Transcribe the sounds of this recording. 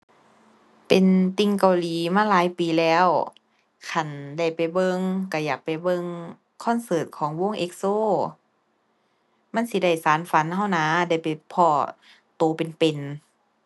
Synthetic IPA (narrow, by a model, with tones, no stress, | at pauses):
pe˨nt̪i˧ŋka˨˧˩wliː˨˦maː˧˥˨laː˨˦jpiː˨˦lɛː˦˧˥w | kʰa˧˩nda˧˩jpa˨˩jbɤ˧ŋka˧˩jaː˨˩k̚pa˨˩jbɤ˧ŋ | kʰɔː˧˥˨nsɤː˧˩t̪̚kʰɔː˨˦ŋwo˧˥˨ŋʔe˧˥k̚soː˧˥˩ | ma˧˥˨nsi˧˦da˧˩jsaː˨˦nfa˨˦nha˧˥˩wnaː˧˦da˧˥˩jpa˨jpʰɔː˧˩ | t̪oː˨˧pe˨npe˨n